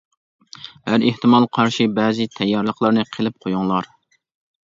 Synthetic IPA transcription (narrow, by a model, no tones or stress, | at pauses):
hæɾeht̪ɪmɑlˠqʰɑɾʃibɛːzɪt̪ʰɛjːɑɾlˠəqlˠɑɾnɨqʰəlˠɪp̚qʰojuŋlˠɑɾ